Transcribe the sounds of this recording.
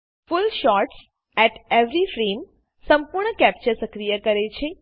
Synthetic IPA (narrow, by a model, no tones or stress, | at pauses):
fʊlʃɔɾʈs | ɛʈeʋɾifɾem | səmpuɾɳəkæp̚t͡ʃəɾsəkɾijəkəɾet͡ʃʰe